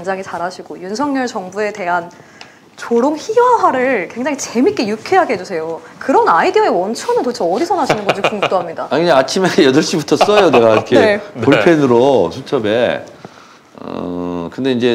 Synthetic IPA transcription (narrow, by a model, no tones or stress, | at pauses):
eŋd͡ʑaŋɦit͡ɕaɾaɕʰiɡojunsʰʌŋɲʌɭt͡ɕʌŋbue̞te̞ɦan | t͡ɕoɾoŋçiʌɦaɾɯɭkwe̞ŋd͡ʑaŋit͡ɕe̞mik͈ejukʰeɦaɡeɦe̞d͡ʑusʰe̞jo | kɯɾʌnaidiʌe̞wʌnt͡ɕʰʌnɯntot͡ɕʰʌːdisʰʌnaɕʰinɯnɡʌd͡ʑikuŋ̚t͈oɦamɲidaakɯɲaat͡ɕʰimejʌdɯɭɕ͈ibutʰʌs͈ʌjone̞ɡaikʰeepoɭpʰenɯɾosʰut͡ɕʰʌbe̞ | ʌ̰kɯndeind͡ʑe̞